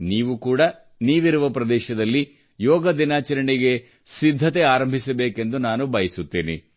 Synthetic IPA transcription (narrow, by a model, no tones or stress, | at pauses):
niːʋukuːɽɐ | niːʋiɾuʋɐpɾɐd̪ɛːʃɐd̪ɐlːi | jɔːɡɐd̪inaːt͡ʃɐɾɐɳiɡe̞ | sid̪ʱːɐt̪e̞aːɾɐmbʱisɐbeːke̞nd̪unaːnubɐjisut̪ːiːnḭ